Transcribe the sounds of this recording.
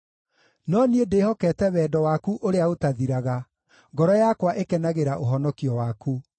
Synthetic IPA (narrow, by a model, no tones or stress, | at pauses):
nɔniedehɔkɛtɛwɛːdɔwakuʔoɾeaotaðiɾaɣa | ŋɡɔɾɔjakwaʔekɛnaɣeɾaʔoɦɔnɔkiɔwaku